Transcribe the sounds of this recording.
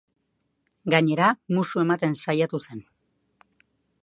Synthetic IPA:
ɡaɲe̞ɾamusue̞mat̪e̞nsajat̪use̞n

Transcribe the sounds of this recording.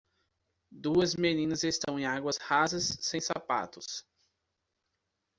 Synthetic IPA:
d̪uɐzmenĩnɐzest̪ɐ̃w̃ẽj̃aɡwɐshazɐsːẽj̃sa̰pa̰t̪ʊs

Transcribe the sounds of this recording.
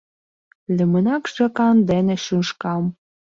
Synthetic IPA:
lʲĕmə̆nɑkʒɑkɑnd̪enĕʃuʃkɑm

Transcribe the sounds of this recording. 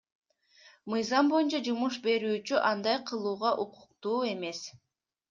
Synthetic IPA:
mɯjzɑmbo̞junt͡ʃɑd͡ʒumuʃ̬be̞ɾyːt͡ʃyʔɑnd̪ɑjqʰɯlˠuːʁɑʔuqu̥q̚t̪uːe̞me̞s

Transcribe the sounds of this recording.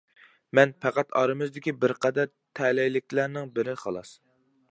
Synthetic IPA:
mɛnpʰæqæt̪ʰɑɾɨmɨzd̪ɪkʲibɪɾqɛd̪æɾ | t̪ʰɛlɛjlɪkʲlæɾnɪŋbɪɾɪχɑlˠɑs

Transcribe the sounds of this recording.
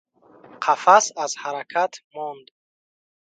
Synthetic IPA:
qʰafasazhaɾakʰat̪ʰmɔnd̪

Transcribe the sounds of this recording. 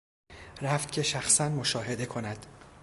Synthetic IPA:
ræft̪̚cʰeʃæxsænmo̞ʃɒːɦe̞d̪e̞kʰo̞næd̪̥

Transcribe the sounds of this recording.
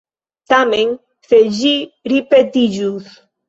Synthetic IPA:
t̪amẽŋ | θeʒiɾipet̪iʒus

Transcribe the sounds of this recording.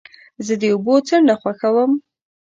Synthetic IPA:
zəd̪əubot͡səɳɖaxwaxawəm

